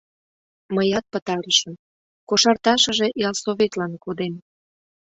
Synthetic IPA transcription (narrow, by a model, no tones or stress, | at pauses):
məjɑt̪̚pət̪ɑɾəʃəm | koʃɑrt̪ɑʃə̆ʒeʔjɑlsoβet̪lɑnkud̪em